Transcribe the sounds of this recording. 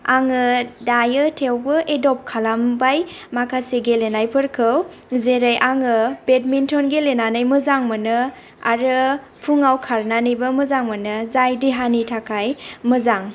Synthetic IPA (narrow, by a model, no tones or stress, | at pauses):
aŋɯdajɯtʰewbɯʔedɔp̚kʰalambaj | makʰaseɡelenajpʰɯɾkʰɯw | zeɾajʔaŋɯbet̚mintʰɔnɡelenanajmɯzaŋmɯnɯ | a̰ɾɯ | pʰuŋawkʰaɾnanijbɯmɯzaŋmɯnɯzajdiɦanitʰakʰajmɯzaŋ